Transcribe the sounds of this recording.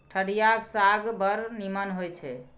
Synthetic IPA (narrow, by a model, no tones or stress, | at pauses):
ʈʰəɽijaksaɡbəɾnimənɦojt͡ʃʰɛ